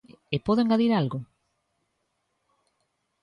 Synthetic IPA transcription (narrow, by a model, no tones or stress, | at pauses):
epoðoeŋɡaðiɾalɣʊ